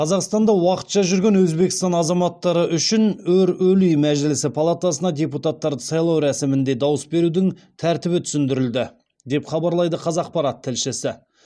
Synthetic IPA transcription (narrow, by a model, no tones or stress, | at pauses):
qʰɑzɑqst̪ɑnd̪ɑwɑqə̥t̪ʃɑʒʏɾɡʲe̞nwɵzbe̞kʲɪ̥st̪ɑnɑzɑmɑt̪ːɑɾəʔʏʃɪnɵɾɵlyjmæʒɪlɪsɪpʰɑlˠat̪ɑsənɑd̪ʲe̞put̪ɑt̪ːɑɾd̪əsɑjlˠɑwɾæsɪmɪnd̪e̞d̪ɑwəsbe̞ɾud̪ɪŋt̪ʰæɾt̪ɪβɪt̪ʰʏsɪnd̪ɪɾɪld̪ɪ | d̪e̞pχɑbɑɾlˠɑjd̪əqʰɑzɑq̚pɑɾɑt̪ʰːɪlʃɪsɪ